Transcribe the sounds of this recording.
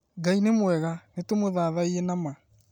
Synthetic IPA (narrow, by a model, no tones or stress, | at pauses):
ɡainemwɛɣanetomoðaːðaienama